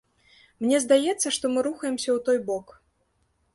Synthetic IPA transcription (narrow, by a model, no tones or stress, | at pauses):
mnʲɛzd̪ajɛt̪sːɐʂt̪ɔmɨɾuxɐjɛmsʲɐwt̪ɔjbɔk